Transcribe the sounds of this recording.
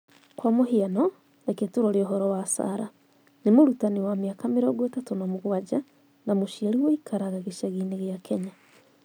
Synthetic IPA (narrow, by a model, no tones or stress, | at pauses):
kwamoɦianɔ | deketuɾoɾioɦoɾɔwasa̰ɾa | nemuɾutaniwamiakameɾoɡwetatunamuɣwad͡ʒa | namuʃiaɾiwoikʰaɾaɣaɣiʃaɣineɣjakʰeɲa